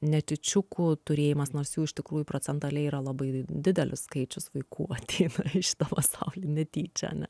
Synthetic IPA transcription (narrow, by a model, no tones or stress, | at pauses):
nʲɛt̪ʲɪt͡ʃʲʊkʊt̪ʊɾʲeːjɪmɐsnoːrsjuːɪʃt̪ʲɪkɾuːjʊpɾoːt͡s̪ʲɛnt̪ɐlʲɛɪiːɾɐlˠɐbɐɪd̪ʲɪd̪ʲɛlʲɪsskɐɪt͡ʃʲʊsʋɐɪkṵːɐt̪ʲeɪnɐʃʲɪ̥t̪ɐpɐsɐʊlʲiːnʲɛt̪ʲiːt͡ʃʲɛɐ̰nʲɛ